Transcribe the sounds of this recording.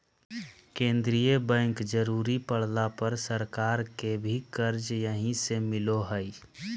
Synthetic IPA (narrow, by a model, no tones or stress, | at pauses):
kẽːnd̪ɾijəbɛ̃ŋkd͡ʒəɾuːɾipəɽ̤lapəɾsəɾkaːɾkebʱikəɾd͡ʒjəɦĩsemɪloɦəi